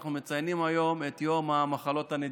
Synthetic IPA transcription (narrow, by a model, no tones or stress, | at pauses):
χnumet͡sajnimajo̞met̪jo̞mamaχalo̞t̪aned